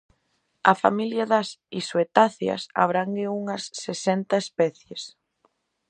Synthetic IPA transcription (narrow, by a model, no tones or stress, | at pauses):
ɐ̰fa̰miljɐðɐsiswet̪aθjɐ̰sa̰βɾaŋɡɪuŋɐsːesɛnt̪ɐespɛθjes